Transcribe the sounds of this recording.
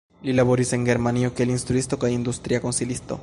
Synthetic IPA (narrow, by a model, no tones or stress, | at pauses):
lilaβoɾiseŋɡeɾmaniokelinst̪ɾuist̪okaind̪ust̪ɾiakonsilist̪o̰